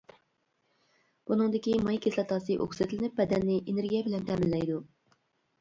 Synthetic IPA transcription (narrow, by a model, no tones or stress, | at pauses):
b̥unɨŋd̪ɪkʲimɑjkʲʰeslɛt̪ʰɑːsɨʔo̰ksɪt̪lɪnɪpbɛd̪ɛnːɪʔenɪɾɡʲijɛbɪlɛnt̪ʰɛmɪlːɛjd̪u